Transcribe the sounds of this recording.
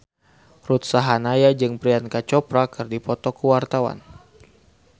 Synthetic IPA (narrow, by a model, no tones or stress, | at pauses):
rut̪saɦanajad͡ʒɨŋpɾiankat͡ʃɔpɾakɨrdipɔt̪ɔkəwart̪awa̰n